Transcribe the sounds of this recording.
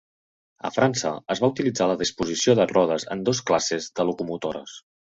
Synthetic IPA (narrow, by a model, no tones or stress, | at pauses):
ə̰fɾansə̰əzβaut̪ilid͡zaləðispuzisioðərɔð̞əzə̰nd̪osklasezd̪əlukumut̪oɾə̰s